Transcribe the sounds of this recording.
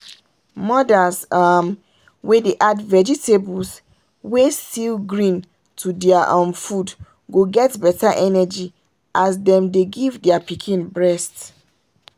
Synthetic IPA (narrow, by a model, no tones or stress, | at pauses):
mɔdasam | wedeʔadvɛd͡ʒitʰebuls | wesilɡɹĩn | tʰudɛaʔãmfud | ɡoɡɛtbɛtʰaʔɛnɛd͡ʒi | ʔasdɛ̃mdeɡivdɛapikʰĩnbɹɛst